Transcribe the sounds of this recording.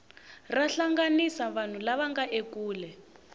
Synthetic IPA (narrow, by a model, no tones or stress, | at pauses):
raɬaŋɡanisaβan̤ulaβaŋɡaʔekuːlɛ